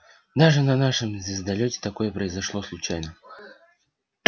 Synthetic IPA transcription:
d̪aʐɨnɐnaʂɨmzʲɪzd̪ɐlʲɵtʲɪ̥t̪ɐko̞jəpɾəɪzɐʂlˠoslˠʊt͡ɕajnə

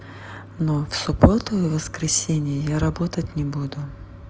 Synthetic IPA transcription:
nofsʊbot̪ʊjɪvəskɾʲɪsʲenʲɪjəjaɾɐbot̪ətʲnʲɪbud̪ʊ

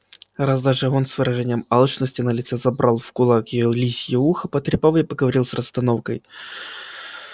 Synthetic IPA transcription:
razd̪aʐɨonsvɨɾɐʐɛnʲɪjəmalˠt͡ʃnəsʲtʲɪnəlʲɪt̪sɛzɐbɾʔalˠfkʊlˠakjlʲisʲjɪuxəpət̪ɾʲɪpavɪpəɡəvɐɾʲilˠsrəst̪ɐnofkəj

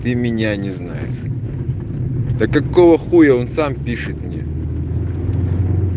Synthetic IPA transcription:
t̪ɨmʲɪnʲanʲɪzna̰jɪ̰ʂ | d̪̥ɐkɐkovəxujɐonsampʲiʂɨt̪̚mnʲḛ

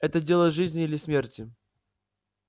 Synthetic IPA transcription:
ɛt̪ədʲe̞lˠəʐɨzʲnʲɪilʲɪsmʲertʲɪ

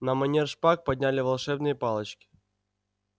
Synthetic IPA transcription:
nəmɐnʲerʂpak̚pɐdʲnʲælʲɪvɐlˠʂɛbnɨjəpalˠət͡ɕkʲɪ̥

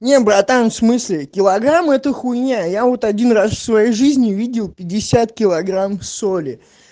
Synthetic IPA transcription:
nʲebɾat̪anfsmɨsʲlʲɪkʲɪlˠɐɡɾamɛt̪əxʊjnʲajavo̞t̪ɐdʲinrasfsvɐjejʐɨzʲnʲɪvʲidʲɪlˠpʲɪdʲːɪsʲat̪̚kʲɪlˠɐɡɾamfsolʲɪ

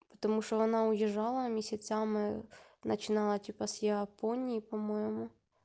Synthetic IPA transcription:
pɔt̪ɔmuʃɔʋɔnɑʊjɪʒɑlˠɐmʲisʲɐt͡sʲamɪnɐt͡ʃɪnɑlˠɐtʲipɐsʲjɛɐpɔnʲijipɔmɔjɛmʊ

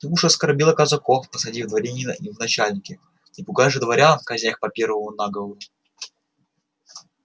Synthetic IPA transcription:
t̪ɨuʂəskɐrbʲilˠəkəzɐkofpəsɐdʲivd̪vɐɾʲenʲinə̰vnɐt͡ɕalʲnʲɪkʲɪ | nʲɪpʊɡajʲʐɨd̪vɐɾʲafkɐzʲnʲaxpɐpʲervəmʊnaɡəvəlˠə

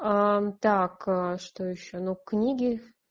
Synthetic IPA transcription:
at̪akʂt̪ojɪɕːonuknʲiɡʲɪ

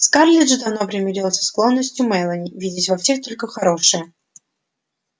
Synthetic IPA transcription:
skarlʲɪʐɨd̪ɐnopɾʲɪmʲɪɾʲilˠəsʲsklˠo̞nːəsʲtʲjʊmɛjlˠənʲɪvʲidʲɪtʲvɐfsʲext̪o̞lʲkəxɐɾo̞ʂɨjə

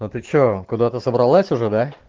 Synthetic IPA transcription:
nʊt̪ɨt͡ʃokʊd̪at̪ɨsɐbɾɐlˠasʲʊʐɛd̪a

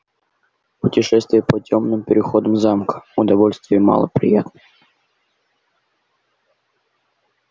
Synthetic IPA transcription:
pʊtʲɪʂɛst̪vʲɪjəpətʲomnɨmpʲɪɾʲɪxod̪əmzamkə̥ʊd̪ɐvolʲst̪vʲɪjəmɑ̰lˠə̰pɾʲɪ̰jat̪nəj

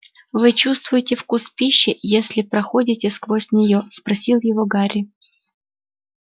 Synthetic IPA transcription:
vɨt͡ɕust̪vʊjɪtʲɪfkuspʲiɕːɪjesʲlʲɪpɾɐxo̞dʲɪtʲɪskvosʲnʲɪjospɾɐsʲilˠjɪvoɡaɾʲɪ

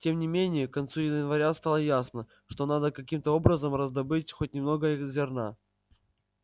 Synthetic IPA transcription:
tʲe̞mnʲɪmʲenʲɪjəkɐnt̪sujɪnɪnvɐɾʲast̪alˠəjasnə | ʂt̪o̞nad̪əkɐkʲimt̪əo̞bɾəzəmrəzd̪ɐbɨtʲxot̚ʲnʲɪmno̞ɡəzʲɪrna

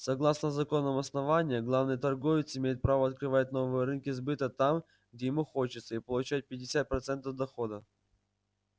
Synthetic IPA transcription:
sɐɡlˠasnəzɐko̞nːəmɐsnɐvanʲɪjəɡlˠavnɨjət̪ɐrɡo̞vʲɪt̪sɪmʲejɪt̪̚pɾavəɐt̪̚kɾɨvat̚ʲno̞vɨjəɾɨnkʲɪzbɨt̪ət̪am | ɡ̚dʲejɪmuxot͡ɕɪt̪səipəlˠʊt͡ɕæt̚ʲpʲɪdʲɪsʲat̪̚pɾɐt̪sɛnt̪əvd̪ɐxo̞d̪ə

